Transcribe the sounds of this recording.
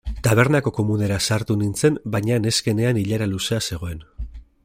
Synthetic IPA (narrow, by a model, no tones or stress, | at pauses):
t̪aβ̞e̞ɾnako̞ko̞mune̞ɾasaɾt̪unint͡se̞mbajɲane̞ske̞ne̞aniʎaɾaluse̞ase̞ɣ̞o̞e̞n